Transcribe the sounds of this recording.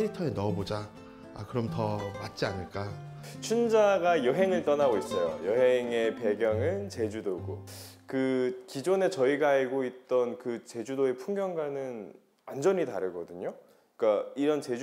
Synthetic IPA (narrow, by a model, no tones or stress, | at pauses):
eɾitʰʌenʌbod͡ʑa | a̰kɯɾʌmtʌmat̚t͡ɕ͈ianɯɭk͈a | t͡ɕʰund͡ʑaɡajʌɦe̞ŋɯɭt͈ʌnaɡois͈ʌjo̰jʌɦe̞ŋe̞pe̞ɡjʌŋɯnt͡ɕe̞d͡ʑudoɡo̰kɯkid͡ʑone̞t͡ɕʌiɡaːɭɡoit̚t͈ʌnkɯt͡ɕe̞d͡ʑudoe̞pʰuŋɡjʌŋɡanɯn | and͡ʑʌɲitaɾɯɡʌdɯɲo | k͈aiɾʌnt͡ɕe̞d͡ʑ